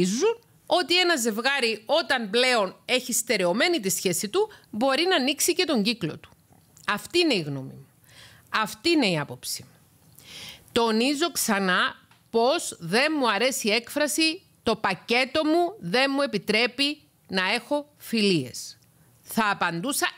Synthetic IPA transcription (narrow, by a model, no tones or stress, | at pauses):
zun | o̞t̪ie̞nɐze̞vɣɐɾio̞t̪ɐmble̞o̞ne̞çist̪e̞ɾe̞o̞me̞nit̪isçe̞sit̪ubo̞ɾinɐːniksice̞t̪o̞ɲɟiklo̞t̪u̥ | ɐft̪iːne̞iɣno̞̰mḭmu | ɐft̪iːne̞iɐpo̞psi̥ | t̪o̞nizo̞ksɐnɐ | po̞zðe̞nmuɐɾe̞sie̞kfɾɐsi | t̪o̞pɐce̞t̪o̞muðe̞nmue̞pit̪ɾe̞pi | nɐe̞xo̞ | filie̞̰s | θɐːpɐnd̪usɐ